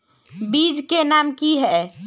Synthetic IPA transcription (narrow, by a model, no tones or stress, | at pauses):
bid͡ʒkenamkiɦɛ